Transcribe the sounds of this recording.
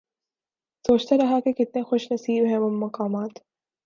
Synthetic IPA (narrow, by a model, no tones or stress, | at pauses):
soːt͡ʃt̪aɾɐɦakekɪt̪̚nexʊʃnɐsiːbɦɛ̃mʊmːɐqaːmaːt̪